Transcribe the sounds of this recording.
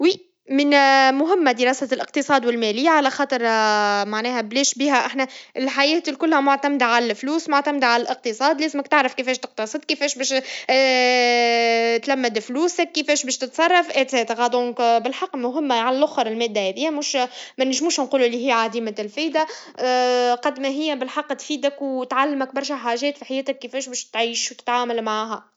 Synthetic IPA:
wi | mɪnmʊɦɪmːad̪əɾˤɑːsalʔɪq̚t̪ɨsˤɑːd̪wɪlmɛːliːʕalæxɑːt̪ˤɨɾmaʕnɛːhæblɛːʃbiːɦæʔaħnæʔɪlħajɛːt̪ilkʊlːhæmʊʕt̪æmd̪ʕalælfluːsmʊʕt̪æmd̪ʕalælʔɪq̚t̪ɨsˤɑːd̪lɛːzmækt̪ɪʕɾɑfkɪfɛːʃt̪ɪq̚t̪ɑsˤɨd̪ˤkɪfɛːʃbɛːʃ | t̪læmːɪd̪fluːsækːəfɛːʃbɛːʃt̪ɪt̪sˤɑrˤːɑfʔɪsɛːt̪ɣɑd̪õːkbɪlħɑqːmʊɦɪmːʕalælʔʊxɑɾˤɪlmɛːd̪ːæhɛðɪjːæmʊːʃmænɪʒmuːʃnquːlulːiɦɪjːʕad̪iːmælfijd̪a | qɑd̪mæɦɪjːæbɪlħɑqːt̪fiːd̪ækwt̪ʕalːɪmæk̚bɑɾˤʃæħaːʒɛːt̪fiħajɛːt̪ækːɪfɛːʃbɛːʃt̪ʕiːʃwt̪ɪ̥t̪ʕaːmælmaʕaːɦæ

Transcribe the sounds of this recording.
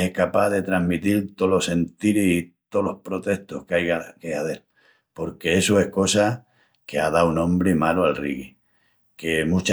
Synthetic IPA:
ehkapaðe̞t̪ɾaɦmit̪ilt̪o̞lo̞sẽ̞nt̪iɾihit̪o̞lo̞hpɾo̞t̪e̞ht̪ohkeajɣakeaðe̞l | po̞ɾke̞esoe̞hko̞sa | ke̞aðawnõ̞mbɾimaloalriɣi | ke̞mut͡ʃ

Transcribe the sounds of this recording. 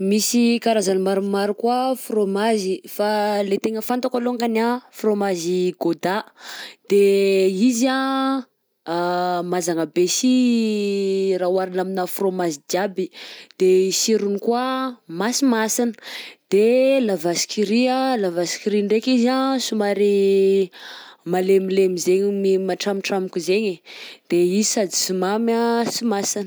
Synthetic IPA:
misikaɾazanmaɾumaɾukwafromazifalet̪eŋəfant̪akaloaŋkanafromaziɡod̪ad̪̥eiza | mazaŋəbesi | rawaɾinaminəfromazid͡ʒabid̪̥eisiɾunikuamasimasinə̥d̪̥elavasi̥kiɾiəlavasi̥kiɾiɳɖ͡ʐekizasumaɾi | malemilemizeɲmimaʈ͡ʂamiʈ͡ʂamikʲuzeɲed̪̥eizisad̪i̥sumamasimasin

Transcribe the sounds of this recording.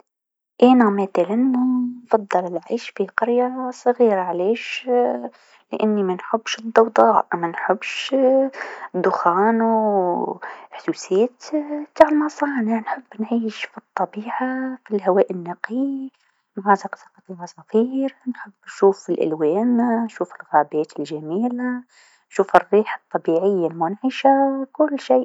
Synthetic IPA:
ʔænæmaθælɪnːʊnfɑd̪ˤːɨlɪlʕiːʃfiqɑɾjasˤɣiːɾaʕleːʃ | lɪʔanːimænħʊbːʃɨd̪ˤːɑwd̪ˤɑːʔmænħɪbːʃ | d̪ːʊxɑːnu | ħd̪uːseːt̪t̪aːʕlmɑsˤɑːnɪʕnħɪbːnʕiːʃfit̪ˤːɑbiːʕafilhawaːʔɪnːaqi | mʕɑːzɪqsɑqɑt̪imasˤɑfiːɾnħɪbːnʃuːfɪlʔa̰lweːnnʃuːfɪlɣaːbeːt̪ɪlʒamiːla | ʃuːfɪrːiːħat̪ˤːɑbiːʕɪjːalmʊnʕɪʃakʊlːʃiːʔ

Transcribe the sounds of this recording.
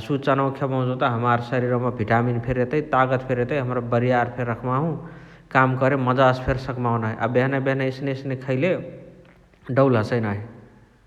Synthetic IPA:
sut͡ʃənəwkʰjabə̃ɦũd͡ʒõt̪aɦəmaɾsəɾiɾɔmebʱiʈaminpʰeɾet̪əit̪aɡət̪pʰeɾet̪əiɦəmɾabəɾijaɾpʰeɾːəkʰmaɦũ | kamkəɾeməd͡ʒaspʰeɾsəkmaw̃naɦiʔabeɦnabeɦnaisneisnekʰəɪle | ɖəwlɦəsəjnaɦi

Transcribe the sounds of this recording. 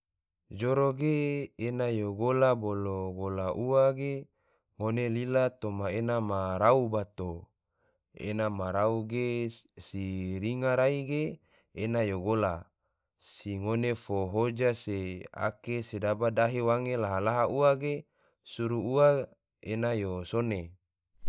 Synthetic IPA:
d͡ʒoɾoɡeːnajoɡolaboloɡolaʔuwaɡe | ŋonelilat̪omaenamaɾaubat̪o | ḛnamaɾauɡesiɾiŋaɾaiɡe | enajoɡola | siŋonefoɦod͡ʒasea̰kesedabadaɦewaŋelaɦalaɦaʔuaɡe | suɾuua | enajosone

